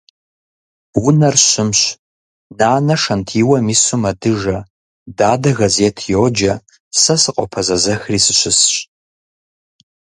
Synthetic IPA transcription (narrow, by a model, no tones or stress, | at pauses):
wʊnɐrɕɪmɕ | naːnɐʂɐntʰiwɐmiːsumɐdɨʒɐ | daːdɐɣɐzetʰjoːd͡ʒɐ | sɐsɨqʼɔ̰pʰɐzɐzɐxriːsɨɕɪsɕ